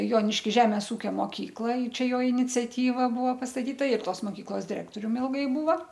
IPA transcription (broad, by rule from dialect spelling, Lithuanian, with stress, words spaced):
joːnʲɪʃʲkʲɪˈʒʲæːmʲeːs ˈuːkʲoː moːˈkʲiːklˠɐ ɪ ˈt͡ʃʲɛ ˈjoː ɪnʲɪt͡sʲɛˈtʲiːʋɐ ˈbʊʋoː pɐstɐˈtʲiːtɐ ɪr ˈtoːs moːˈkʲiːklˠoːs dʲɪˈrʲæːktoːrʲʊm ˈɪlˠɡɐɪ ˈbuːʋɐ